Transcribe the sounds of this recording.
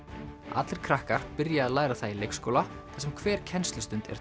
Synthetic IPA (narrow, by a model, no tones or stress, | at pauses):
a̰t̪lɪɾ̥kʰɾahkaɾ̥pɪɾjaːðlaːjɾaθailejkskoːwlaasɛmkʰvɛːɾ̥cʰɛnst̪lʏst̪ʏnt̪ɛ̰ɾ̥